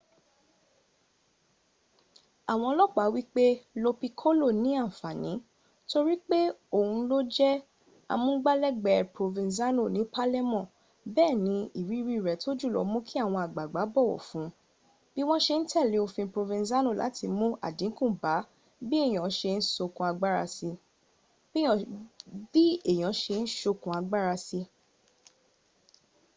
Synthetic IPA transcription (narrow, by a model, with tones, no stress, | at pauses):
a˨w̃ɔ̃˧lɔ˦˨k͡pa˨˦wi˦k͡pe˦lo˧pi˧kʰo˦lo˦˨nĩ˨˦ã˦˨fa˨nĩ˨˦ | to˧ɾi˦k͡pe˦o˦˨hũ˧˦lo˦d͡ʒɛ˦ | a̰˧mũ˦ɡ͡ba˦lɛ˦ɡ͡bɛ˨pɾo˧vĩ˧za˦no˦˨nĩ˨˦pa˦lɛ˦mɔ̃˦˨ | bɛː˦˨nĩ˨˦i˦˨ɾi˦ɾi˦˨ɾɛ˨˦to˦d͡ʒu˦˨lɔ̰˧˦mũ˦kʰi˦a˦˨w̃ɔ̃˧a˨ɡ͡ba˨ɡ͡ba˨˦bɔ˦˨wɔ̰˨fũ˨˦ | b̥i˦w̃ɔ̃˦ʃe˧n̩˦tʰɛ˦˨le˨˦o˧fĩ˧pɾo˧vĩ˧za˦no˦˨la̰˨˦tʰi˧mũ˦a̰˦˨dĩ˨˦kũ˦˨ba˨˦ | bi˦e˦˨j̃ɔ̃˨˦ʃe˧n̩˦so˧kũ˧˦a˧ɡ͡ba˦ɾa˧si˧ | bĩ˦˨b̥i˦e˦˨j̃ã˨˦ʃe˧n̩˦ʃo˧kũ˧a˧ɡ͡ba˦ɾa˧si˧